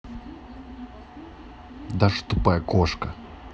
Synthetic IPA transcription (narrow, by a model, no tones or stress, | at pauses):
d̪aʂt̪upajkoʂkɐ